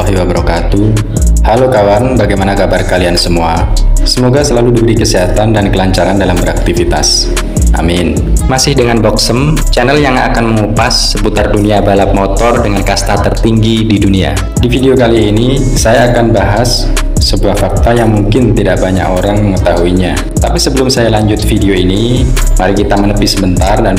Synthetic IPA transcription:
aɦiwabəɾokat̪u | halokawanbaɡajmanakabarkaliansəmuasəmoɡasəlaludibəɾikəsiɦat̪andankəlaɲt͡ʃaɾandalambəɾak̚t̪ifit̪a̰s | ʔa̰mɪn | masɪhdəŋanbɔksəm | t͡ʃanɛljaŋa̰kanməŋupasːəput̪arduniabalap̚mot̪ɔrdəŋankast̪at̪ərt̪iŋɡididunia̰ | difideokaliːni | sajaːkanbaɦasː | əbuahfak̚t̪ajaŋmuŋkɪnt̪idaʔbaɲa̰koɾaŋməŋət̪aɦuiɲa | t̪apisəbəlʊmsajalaɲd͡ʒʊt̪̚fideoini | maɾikit̪amənəpɪsəbənt̪ardan

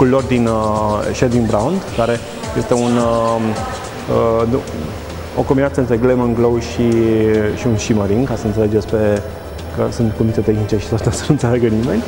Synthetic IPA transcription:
kulːo̞rd̪inʃed̪inbɾaund̪kaɾe̞ | je̞st̪e̞unə | ə | o̰kombinat̪səɨnt̪ɾeɡlemənɡlowʃiʃiunʃiməɾiŋkasəɨnt̪sele̞d͡ʒespe | kəsunt̪kumit̪et̪exnit͡ʃe̞ʃi̥t̪at̪eosənũnt̪seleɡənime̞nʲ

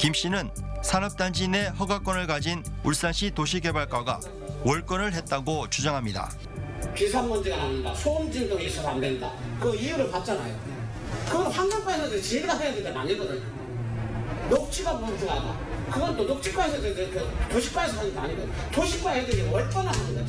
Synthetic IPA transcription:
kimɕ͈inɯnsʰanʌp̚t͈and͡ʑine̞hʌɡak͈ʌnɯɭkad͡ʑinuɭs͈anɕʰitoɕ̬ʰiɡe̞baɭk͈aɡa̰ | wʔʌɭk͈ʌnɯɭɦe̞t̚t͈aɡot͡ɕud͡ʑaŋɦamɲida̰ | pisʰammʌnd͡ʑiɡananɯnda̰sʰomd͡ʑindoisʰʌsandwenda̰kɯɡʌijuɾɯɭpat̚t͡ɕ͈ana̰jo̰ | kɯɡʌnɸwanɡʌp͈aesʰʌdt͡ɕiɡiɡasʰajadɯnemaɲiɡʌdɯɲo | nok̚t͡ɕʰiɡapoɯd͡ʑʰiɡada̰ | kɯɡʌnt͈onok̚t͡ɕʰi̥k͈aes̬ʰʌdedeɾkʰetoɕʰi̥k̚p͈aesʰʌsaidea̰ɲiɡʌdɲtoɕʰik̚k͈waɦedend͡ʑewʌɭk͈ʌnanadɯnɡa

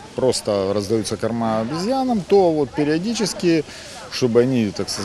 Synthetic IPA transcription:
pɾo̞st̪əɾəzd̪ɐjut̪sːəkɐrmabʲɪzʲjanəmt̪o̞vo̞t̪̚pʲɪɾʲɪɐdʲit͡ɕɪskʲɪ | ʂt̪o̞bɨɐnʲit̪akskə

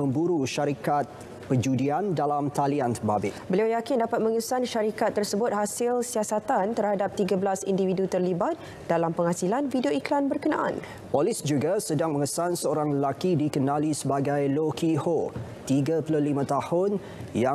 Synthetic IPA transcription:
ə̃mbuɾuʃaɾikat̪̚ | pəd͡ʒudiandalamt̪aliant̪ərbabɪʔbəliawjakɪndapat̪̚məŋəsanʃaɾikat̪ːərsəbʊt̪̚hasɪlsiasat̪ant̪ərhadap̚t̪iɡabəlasindividut̪ərlibat̪̚ | dalampəŋhasilanfidioiklanbərkəna̰ʔa̰n | pɔlɪsd͡ʒuɡasədaŋməŋəsansəoɾaŋləlakidikənãlisəbaɡajlokiho | t̪iɡəpulolimãt̪ahʊn | ja

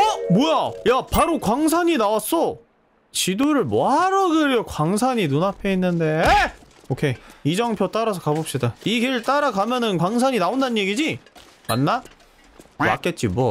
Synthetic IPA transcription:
ʌmojajapaɾokwaŋsʰaɲinawas͈o | t͡ɕidoɾɯɭmoɦaɾʌɡɯɾjʌkwaŋs̬ʰaɲinunapʰeinːɯnde̞ | okʰe̞id͡ʑʌŋpʰjot͈aɾas̬ʰʌ̥kabop̚ɕ͈idaikeɾɯɭt͈aɾaɡamjʌnɯnkwaŋs̬ʰaɲinaondanɯɲje̞ɡid͡ʑi | ma̰nːa | ma̰k͈e̞t̚t͡ɕ͈ibʌ

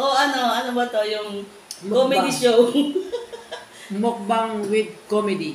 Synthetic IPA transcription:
ʔoʔɐnoʔɐnobɐt̪ojʊŋ | mkomɛd̪iʃow | mok̚baŋwɪd̪̚komɛd̪i

